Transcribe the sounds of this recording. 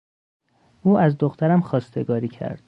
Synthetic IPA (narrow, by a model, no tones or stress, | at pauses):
ʔuːʔæzd̪oxt̪ʰæɾæmxɒːst̪e̞ɡɒːɾiːcʰæ̰ɾd̪̥